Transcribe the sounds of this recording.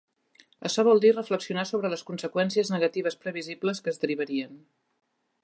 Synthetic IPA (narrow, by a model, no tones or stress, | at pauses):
ə̰ʃɔβ̞ɔlˠd̪irəfləksiunasoβɾələskunsəkwɛnsiəznəɣət̪iβ̞əspɾəβizibləskəːzðəɾiβ̞əɾiən